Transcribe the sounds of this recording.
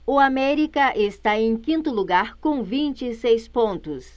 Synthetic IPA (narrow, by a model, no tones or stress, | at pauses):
ʊamɛɾikɐʔest̪aẽj̃kĩnt̪ʊluɡaɾkõvĩnt͡ʃɪsejspõnt̪ʊs